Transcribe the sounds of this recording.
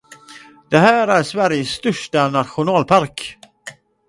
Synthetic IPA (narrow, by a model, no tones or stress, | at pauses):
d̪̥ɛɦæːɾæɾʂvæɾjəsːt̪œʂʈanat̪ɧʊnɑːlpʰaɾk